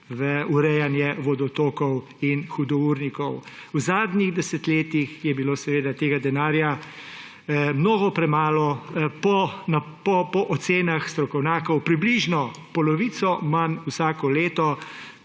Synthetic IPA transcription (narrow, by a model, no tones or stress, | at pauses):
ʋəuɾɛjanjɛʋɔd̪ɔt̪oːkɔw | inxud̪ɔuɾnikɔwwzaːd̪nʲiɣd̪ɛsɛt̪leːt̪ixjɛbiloːsɛʋeːd̪at̪eːɡad̪ɛnaːɾja | mnoːɡɔpɾɛmaːlɔpɔna | pɔpɔʔɔt̪seːnaxst̪ɾɔkɔwnʲjaːkɔwpɾibliʒnɔ | pɔlɔʋit̪sɔmanwsaːkɔleːt̪ɔ